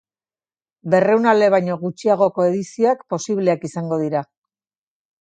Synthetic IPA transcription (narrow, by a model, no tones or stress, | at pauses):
be̞re̞wnale̞β̞ajɲo̞ɣut͡ʃiaɣ̞o̞ko̞e̞ðisioakpo̞siβle̞akisaŋɡo̞ðiɾa